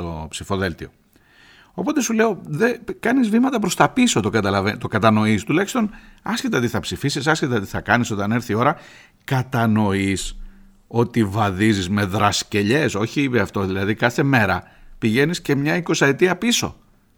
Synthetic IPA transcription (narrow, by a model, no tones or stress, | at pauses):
opsifo̞ðe̞lt̪io̞̰ | o̞po̞t̪esule̞o̞ðekɐnizvimɐt̪ɐp̬ɾo̞st̪ɐpiso̞t̪okɐt̪ɐlɐvet̪o̞kɐt̪ɐno̞ist̪ulɐçi̥st̪o̞nɐscet̪eot̪iθɐpsifisisɐscet̪eot̪iθɐkɐniso̞t̪ɐne̞ɾθio̞ɾɐ | kɐt̪ɐno̞is | o̞t̪ivɐðizizme̞ðɾɐsce̞ʎe̞so̞çipeɐft̪o̞ðilɐðikɐθe̞me̞ɾɐ | piʝe̞nisce̞mɲɐiko̞sɐet̪iɐpiso̞̰